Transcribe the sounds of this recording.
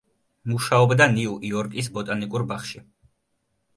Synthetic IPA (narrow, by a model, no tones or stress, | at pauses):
muʃaɔbd̪aniuʔiɔɾkʼis̬bɔt̪ʼanikʼuɾbaχʃi